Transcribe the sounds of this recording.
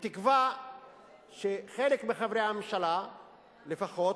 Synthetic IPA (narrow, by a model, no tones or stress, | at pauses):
t̪ikva | ʃeχe̞lekmeχavɾeammʃala | le̞faχo̞t